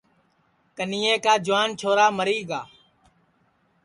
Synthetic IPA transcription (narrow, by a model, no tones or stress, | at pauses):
kəniːẽːkaːd͡ʒʊʋaːnt͡ʃʰoːɾaːməɾiːɡaː